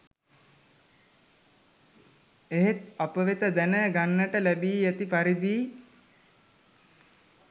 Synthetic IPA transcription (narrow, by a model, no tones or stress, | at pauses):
eɦet̪apəʋet̪əd̪ænəɡanːəʈəlæbiːæt̪ipaɾid̪iː